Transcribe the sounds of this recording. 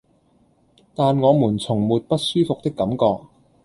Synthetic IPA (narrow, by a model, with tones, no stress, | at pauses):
t̪aː˨nŋɔː˨˧muː˨˩nt͡sʰʊ˨˩ŋmuː˨˩t̚pɐ˥t̚syː˥fʊ˨k̚t̪ɪ˥kːɐ˨˥mkɔː˧k̚